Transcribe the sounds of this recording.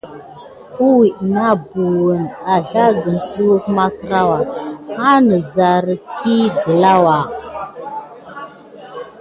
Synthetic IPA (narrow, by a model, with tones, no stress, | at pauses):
u˦wi˨ʔna˦bu˨wə˨na˨ɮa˦ɡə˨n˨su˦wu˦kma˦kɾa˦wa˨ha˦nə˨za˨ɾə˨kʰi˦ɡə˨la˦wa˨